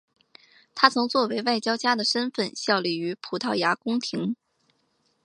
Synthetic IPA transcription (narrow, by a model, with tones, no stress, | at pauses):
t̪ʰa˥t͡sʰʊ˧˥ŋt͡swɔ˥˩we˧˥ɪwa˥˩ɪt͡ɕjɑ˥ʊt͡ɕja˥d̪ə˨ʂə˥nfə˥˧nɕjɑ˥˧ʊli˥˩y˧˥pʰu˨˩t̪ʰɑ˥˩ʊja˧˥kʊ˥ŋt̪ʰi˧˥ŋ